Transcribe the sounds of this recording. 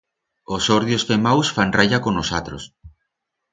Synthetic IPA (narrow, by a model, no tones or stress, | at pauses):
osoɾðjosfemawsfanrajakonosat̪ɾos